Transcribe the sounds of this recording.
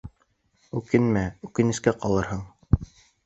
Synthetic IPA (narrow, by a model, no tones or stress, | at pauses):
ʉkɘnmæʉkɘ̆nɘ̆skæqɑlˠɤɾhɤɴ